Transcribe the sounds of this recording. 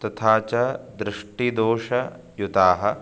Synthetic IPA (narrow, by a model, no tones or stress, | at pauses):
t̪ɐt̪ʰaːt͡ʃɐd̪ɾɪʂʈid̪oːʃɐ | jut̪aːɦɐ̆